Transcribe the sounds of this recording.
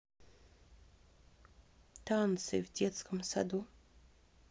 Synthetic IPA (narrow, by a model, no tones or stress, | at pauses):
t̪ant̪sɨ̰vdʲet̪skəmsa̰d̪u